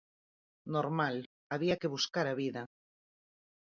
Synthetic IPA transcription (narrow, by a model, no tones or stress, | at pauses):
noɾmal | aβiakeβ̞uskaɾaβiða